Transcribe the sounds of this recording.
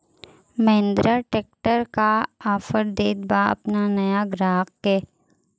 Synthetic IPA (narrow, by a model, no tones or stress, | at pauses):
mẽnd̪ɾaʈeːk̚ʈəɾkaaːfəɾd̪eːd̪baɐ̰pnanɐjaɡɾaːqkeː